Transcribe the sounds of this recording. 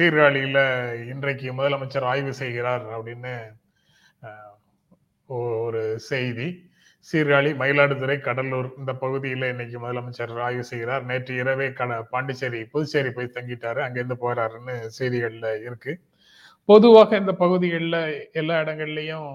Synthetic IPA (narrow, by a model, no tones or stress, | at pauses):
siːɾɣaːɭɪjɪlɐɪndrɐkːɯmʊðɐlɐmɐt͡ʃːɐɾaːjʋɯsɛjɣɪɾaːɾɐpːɐɽɪnːɯ | ɔɔɾɯsɛjði | siːɾɣaːɭimɐɪlaːɽɯt̪ɯɾɐɪkɐɽɐluːɾɪnd̪ɐpɐɣɯðɪjɪlɐɪnːɐk̬ːɯmʊðɐlɐmɐt͡ʃːɐɾaːjʋɯsɛjɣɪɾaːɾneːʈrɯɪɾɐʋeːkɐɐpaːɳɖɯt͡ʃːɐɾipɔðɯt͡ʃːɐɾipoːjt̪ɐŋɡɪʈːaːɾɯɐŋɡeɛnd̪ɯpoːɾaːɾɯnːɯsɛjðɪɣɐɭɪlɐɪɾɯkːɯ | pɔðɯʋaːɣɐɪnd̪ɐpɐɣɯðɪɣɐɭɪlɐɛlːaːɪɽɐŋɡɐɭɪlɐjʊ̃